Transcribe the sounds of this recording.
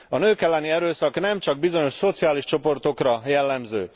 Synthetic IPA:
ɒnøːkɛlːɛniɛɾøːsɒknɛmt͡ʃɒɡ̚bizo̞ɲo̞ʃso̞t̪sijaːliʃt͡ʃo̞po̞rt̪o̞krɒjɛlːɛmzø̰ː

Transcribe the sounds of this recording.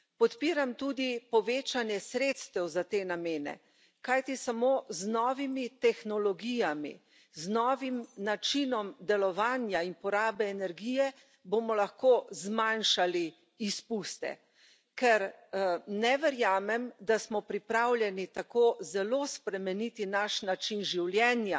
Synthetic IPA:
pɔt̪piːɾamt̪ud̪ipɔʋeːt͡ʃanjɛsɾet̪st̪ɛwzat̪eːnameːnɛ̰ | kajt̪isamoːznɔːʋimit̪ɛxnɔlɔɡijamḭ | znɔːʋimnat͡ʃinɔmd̪ɛlɔʋaːnjainpɔɾaːbɛːnɛɾɡijɛ | bomɔlaxkoːzmanʃali | ispust̪ɛ̰ | kɛɾ | nɛʋɛɾjaːmɛmd̪asmɔpɾipɾawlʲjɛnit̪akozɛloːspɾɛmɛnit̪inaʃnat͡ʃinʒiwljɛːnja

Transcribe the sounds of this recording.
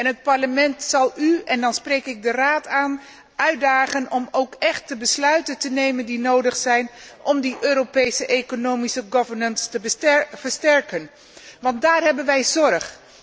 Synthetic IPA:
ɛnɦət̚pɑɹləmɛntsɑlˠyɛndɑnsprejkɪɡ̚dəraːtaːn | œɥ̚daːχənɔmowkɛχt̚dəbəslœɥtəntənejməndinowdəχsɛjnʔɔmdiʔøːɾopejsəʔejkonowmisəɡɔvəɹnənstəbv̥əɹstɛɹkən | ʋɑntdaːrɦɛbənʋɛjzɔrχ

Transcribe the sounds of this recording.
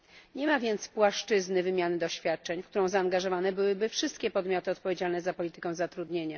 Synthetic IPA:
ɲɛmavʲjɛnt̪spwaʂt͡ʂɘznɘvɘmʲjanɘd̪ɔɕfʲjat̪̚t͡ʂɛɲfkt̪uɾɔ̃w̃zaːŋɡaʐɔvanɛbɘwɘbɘfʂɘst̪̚kʲɛpɔd̪mʲjɔt̪ɘɔt̪̚pɔvʲjed͡ʑalnɛzapɔlʲit̪ɘ̥kɛ̃w̃zat̪ɾud̪ɲeɲa

